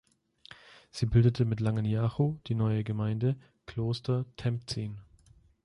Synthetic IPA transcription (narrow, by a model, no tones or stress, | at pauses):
z̥iːbɪldətʰəmɪtlaŋənjaːxod̥iːnɔʏəɡəmaɪndə | kʰl̥oːstɐtʰɛmp̚t͡siːn